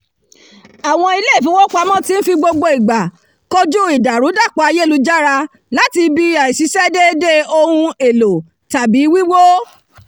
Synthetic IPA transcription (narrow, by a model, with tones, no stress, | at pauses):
a˨w̃ɔ̃˧i˧le˦˨fĩ˨˦wo˦k͡pa˧mɔ̃˦˨tĩ˦n̩˦fi˧ɡ͡bo˧ɡ͡bo˧i˨ɡ͡ba˨ | ko˧d͡ʒu˦i˨da˨ɾu˨˦da˦˨k͡pɔ˧a˧je˦˨lu˧d͡ʒa˦ɾa˧ | la˨˦ti˧bi˧a˨i˨si˨˦sɛ˦de˦de˦o˧hũ˧e˨lo˨ | ta˨bi˨˦wi˦wo˦